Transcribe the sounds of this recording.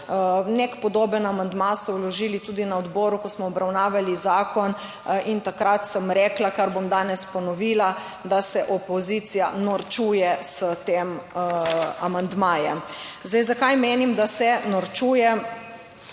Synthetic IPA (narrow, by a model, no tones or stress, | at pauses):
nekpɔd̪oːbənamand̪masɔwlɔʒiːlit̪uːd̪inaɔd̪bɔːɾukɔsmɔɔbɾawnaːʋalizaːkɔn | int̪akɾat̪səmɾɛklakaɾbomd̪aːnɛspɔnɔʋiːla | d̪asɛʔɔpɔzit̪sijanɔɾt͡ʃuːjɛsət̪eːm | amand̪maːjɛ̰mzd̪ɛjzakajmeːnimd̪asɛnɔɾt͡ʃuːjɛ